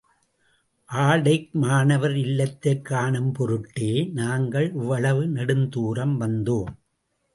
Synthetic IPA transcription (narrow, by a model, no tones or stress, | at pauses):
ʔaːɽɐɪk̚maːnɐʋɐɾɪlːɐt̪ːɐkːaːɳɯmpɔɾɯʈːeːnaːŋɡɐɭʊʋːɐɭɐʋɯnɐɽɯnd̪uːɾɐmʋɐnd̪oːm